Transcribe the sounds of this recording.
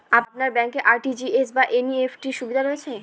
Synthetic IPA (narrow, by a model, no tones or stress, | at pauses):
apnaɾbɛŋkeʔaɾʈid͡ʑiesbaʔeniefʰʈiɾʃubid̪ʱaɾoet͡ɕʰe